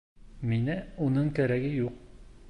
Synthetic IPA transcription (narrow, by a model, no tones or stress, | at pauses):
minɘunɤɴkæɾæɡɘjuq̚